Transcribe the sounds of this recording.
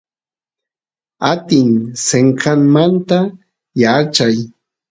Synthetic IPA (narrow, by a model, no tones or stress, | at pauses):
at̪ɪŋseɴkaŋmant̪a | jat͡ʃaj